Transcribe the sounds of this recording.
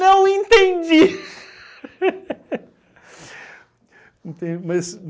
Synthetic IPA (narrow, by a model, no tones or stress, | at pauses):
ɐ̃w̃ẽnt̪ẽd͡ʒi | ĩt̪ẽd͡ʒimɐz